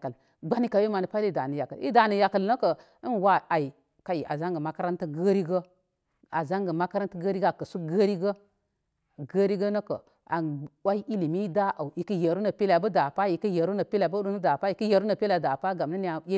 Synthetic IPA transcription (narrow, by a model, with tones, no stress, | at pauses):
kə˨ | ɡ͡ba˦ni˦ka˨we˦ma˨ni˨pa˦i˦˨da˨nə˨ja˨kə˨ḭ˦da˨nə˨ja˨kə˨lnə˦kə˨ | i˦nwa˦a˨i˨ | ka˨ji˨ʔa˨za˦ŋɡə˨ma˦ka˦ɾa˦ntə˦ɡə˦ɾi˦ɡə˦ | a˨za˦ŋɡə˨ma˦ka˦ɾa˦ntə˦ɡə˦ɾi˦ɡa˨kə˨su˦ɡə˦ɾi˦ɡə˦ | ɡə˦ɾi˦ɡə˦nə˦kə̰˨ | a˨wa˦i˦ʔi˦li˨mi˦da˦ʔa˨wi˨kə˦je˨ɾu˦nə˨pi˦la˨bə˦da˨pa˦ji˨kə˦je˨ɾu˦nə˨pi˦la˨bə˦ɗu˦nə˦da˨pa˦ji˨kə˦je˨ɾu˦nə˨pe˦la˨da˨pa˦ɡa˨m˨nə˦ni˦ja˨e˦